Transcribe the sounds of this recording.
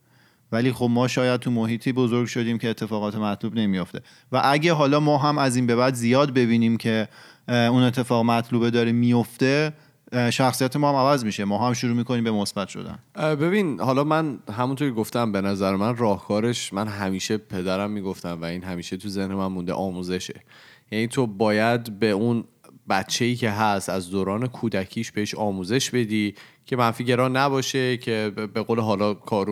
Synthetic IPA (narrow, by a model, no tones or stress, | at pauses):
væliːxob̚mɒːʃɒːjæd̪̚t̪ʰumoɦiːt̪ʰiːbo̞zo̞ɾɡʃo̞d̪iːmcʰe̞ːt̪ʰːe̞fɒːɣɒːt̪ʰemæt̪ʰluːbne̞mijoft̪e̞̰ | væʔæɟæɦɒːlɒːmɒːɦæmæziːnbe̞bæd̪zijɒːd̪be̞biːniːmcʰe̞ | une̞t̪ʰːe̞fɒːɣmæt̪ʰluːbed̪ɒːɾimijo̞ft̪e̞ | ʃæxsijæt̪ʰemɒːhæmævæzmiːʃemɒːɦæmʃuɾuːmiːkʰoniːmbe̞mosbæt̪ʃo̰d̪æ̰nbe̞binhɒːlɒːmænɦæmunt̪ʰoɾkcʰeɡoft̪æmbe̞næzæɾemænrɒːhkʰɒːɾe̞ʃmænɦæmiːʃe̞pʰe̞d̪æɾæmːiːɡo̞ft̪æmvæiːnɦæmiːʃe̞t̪ʰuze̞hnemænmũnd̪e̞̰ʔɒːmuːze̞ʃe̞̰jæniːt̪ʰo̞bɒːjæd̪be̞un | bæt̪t͡ʃʰeiːcʰe̞ɦæst̪æzd̪oːɾɒːne̞kʰuːd̪æcʰiːʃb̥e̞ɦeʃɒːmuːze̞ʃb̥e̞d̪iːcʰe̞mænfiːɟe̞ɾɒːnæbɒːʃe̞cʰe̞be̞ɣoːleɦɒːlɒːkʰɒːɾu